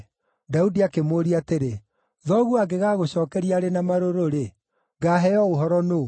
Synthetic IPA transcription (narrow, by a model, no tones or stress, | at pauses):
daudiakemoːɾiateɾe | ðɔɣuaɡeɣaɣoɕɔːkɛɾiaɾenamaɾoɾoɾe | ɡaɦɛjɔoɦɔɾɔno